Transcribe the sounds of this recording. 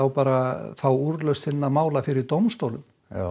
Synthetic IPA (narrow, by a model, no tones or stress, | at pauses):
awpaːɾaθawuɾlœɥst̪θɪnːamaːwlafɪɾɪɾt̪owmst̪owlʏm